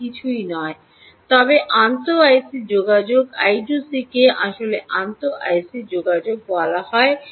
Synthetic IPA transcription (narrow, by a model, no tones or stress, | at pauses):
it͡ɕʰujnɔe | t̪ɔbeʔant̪oajsid͡ʑoɡad͡ʑoɡajɖusikeʔaʃoleʔant̪oʔa̰jsid͡ʑoɡad͡ʑoɡ̚bɔlaɦɔe